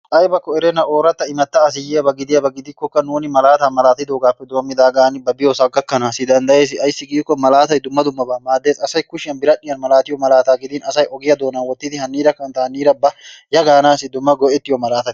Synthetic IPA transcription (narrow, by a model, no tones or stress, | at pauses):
ʔɐjbɐkːɔɛɾɛnɐʔoːɾɐt̪ːɐɪmɐt̪ːɐːsɪjɪɐbɐɡɪd̪ɪjɐbɐɡɪd̪ɪkɔkːɐnuːnɪmɐlaːt̪aːmɐlaːt̪ɪd̪oːɡaːpːɛd̪oːmːɪd̪aːɡaːnɪbɐbɪjosɐɡːɐkːɐnasɪd̪ɐnd̪ɐʔeːs̬ɪɐjɪsːɪɡiːkːɔmɐlaːt̪ɐjd̪ʊmːɐd̪ʊmːɐbɐmaːd̪ːeːsɐsɐjkʊʃɪɐnbɪɾɐᶑɪjɐnmɐlaːt̪ɪjɔmɐlaːt̪aːɡɪd̪ɪːnɐsɐjʔɔɡɪjɐd̪oːnɐnwɔt̪ːɪt̪ɪhɐnːiːɾɐkːɐnt̪ɐɐnːiːɾɐbːɐjɐɡaːnaːsɪd̪ʊmːɐɡɔʔɛt̪ːɪjɔmɐlaːt̪ɐt̪ɪ̥